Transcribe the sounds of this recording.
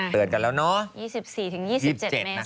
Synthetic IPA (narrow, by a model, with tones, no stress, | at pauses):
lɨ˨˩ənkaː˨˩lɛː˧wnɔ˨˦˥jiː˥˩si˨˩p̚si˨˩t̪ʰɯ˨˩˦ŋjiː˥˩ii˥˩˨t͡ɕe˨˩˧na˦˥